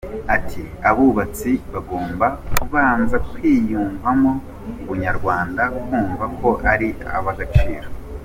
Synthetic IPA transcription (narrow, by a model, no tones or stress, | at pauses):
atʰiaβuβat͡siβaɡo̞ːmbakuβaːɱvatwiːjuːɱvamo̞ | uβuɲaɾɡwaːndakuːɱvakʰo̞ʔaɾia̰βaɡat͡ʃiːɾo